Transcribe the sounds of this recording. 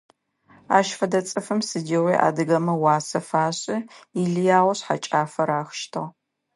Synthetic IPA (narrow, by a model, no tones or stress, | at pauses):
a̰ːʃfɐdɐt͡sʼɨfɨmsɨdeːʁejʔa̰ːdɨɣɐmɐwɑːsɐfaːɕʼɪiɮɨjaːʁʷɐɕħa̰t͡ʃʼaːfɐɾaːxʃtʰɨʁ